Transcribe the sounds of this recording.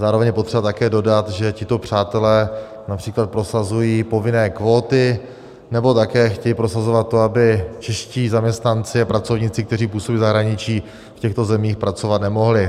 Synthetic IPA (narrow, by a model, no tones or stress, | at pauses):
zaːɾovɛɲjɛpo̞t̪r̥ɛbat̪akɛːdo̞dat̪ʒɛcɪt̪o̞pr̝̥aːt̪ɛlɛː | napr̥iːklat̪̚pɾo̞sazujiːpo̞vɪnɛːkvo̞ːt̪ɪ | nɛbo̞t̪akɛːxcɛjiːpɾosazo̞vat̪̚ːoabɪt͡ʃɛʃciːzamɲɛst̪nant͡sɪapɾat͡so̞vɲɪt͡sɪk̚t̪ɛriːpuːsobiːzaɦɾaɲɪt͡ʃiː | fcɛxt̪o̞zɛmiːxpɾat͡so̞vat̪nɛmo̞ɦlɪ